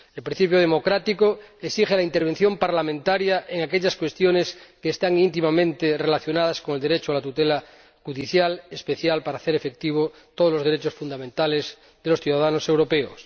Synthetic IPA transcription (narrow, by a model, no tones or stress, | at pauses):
elpɾĩn̟θipjoð̞emo̞kɾat̪ikoeksixelaint̪eɾβenθjo̞mpaɾlamẽnt̪aɾjaʔeŋakeʎaskwe̞st̪joneskeːst̪aŋint̪̬imamẽnt̪erelaθjo̞naðaskoŋeld̪eɾet͡ʃoalat̪ut̪ela | xuðiθjalespe̞θjalpaɾaːθeɾefe̞k̚t̪iβ̞o | t̪oð̞olo̞zðeɾet͡ʃosfund̪amẽnt̪alez | ðelo̞sθjuðaðanose̞wɾo̞peo̰s